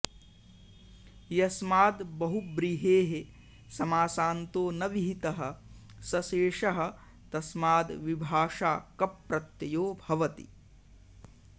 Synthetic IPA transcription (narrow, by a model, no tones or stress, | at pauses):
jɐsmaːd̪bɐɦubɾiɦeːɦe | sɐmaːsaːnt̪oːnɐʋiɦit̪ɐɦɐ̆ | sɐseːʂɐɦɐ̆ | t̪ɐsmaːd̪ʋibʱaːʂaːkɐpɾɐt̪jɐjoːbʱɐʋɐt̪ḭ